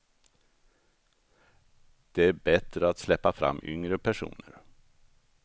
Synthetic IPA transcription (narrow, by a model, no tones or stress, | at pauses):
d̪̥ɛæɾbɛt̪ɾəat̪slɛpːafɾa̰mːʏ̰ŋɾəpʰæʂṵːnə̰ɾ